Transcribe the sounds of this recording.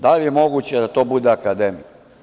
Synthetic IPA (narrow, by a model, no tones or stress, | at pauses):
d̪alijemo̞ɡut͡ɕed̪at̪o̞ːbud̪eakad̪emik